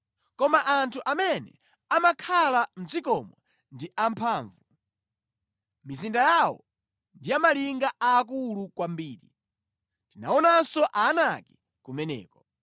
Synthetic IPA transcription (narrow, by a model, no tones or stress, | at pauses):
kɔmaʔantʰuʔamɛnɛ̰ | amakʰalam̩d͡zikɔmwɛ | ndiʔam̩pʰaːɱvu | mizindajawɔ̰ | ndijamaliŋɡaaːk̬ulukwambiːɾḭ | ntina̰ɔnasɔʔaːnaki̥ | kumɛnɛ̰ːkɔ